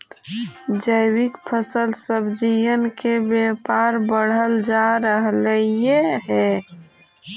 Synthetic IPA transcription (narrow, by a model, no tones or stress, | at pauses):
d͡ʒəɪwikpʰəsəlsəbd͡ʒijənkebjepaːɾbəɽ̤əld͡ʒaɾəɦləijeɦɛ